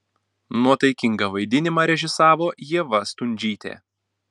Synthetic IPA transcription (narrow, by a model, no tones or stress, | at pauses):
nuɔt̪ɐɪkʲɪŋɡɐʋɐɪd̪ʲɪnʲɪmɑːɾʲɛʒʲɪsɑːʋoːjiɛʋɐst̪ʊnʲd͡ʒʲiːt̪ʲḛː